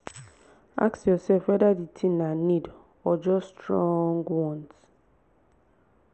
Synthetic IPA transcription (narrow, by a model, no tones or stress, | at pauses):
a̰ksjɔsɛlfwɛdaditʰĩnanid | ɔd͡ʒɔstɹɔ̃ŋɡwɔ̃nt